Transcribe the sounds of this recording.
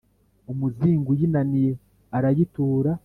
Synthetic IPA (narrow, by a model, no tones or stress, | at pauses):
umuziːŋɡujinanije | aɾajituːɾa